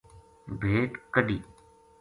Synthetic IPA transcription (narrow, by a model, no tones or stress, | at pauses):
bʱeːʈkəɖiː